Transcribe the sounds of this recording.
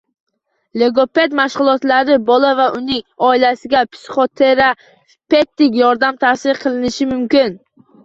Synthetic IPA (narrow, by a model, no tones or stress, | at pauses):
le̞ɡope̞d̪maʃʁʊlˠɒt̪laɾɪbɒlavaʔʊnɪŋɒɪlasɪɡʲapʰsχot̪ʰeɾa | pe̞t̪ːɪkʲjɒɾd̪amt̪ʰasɪɾqʰɨlˠɪnɪʃɪmʊmkʲɪn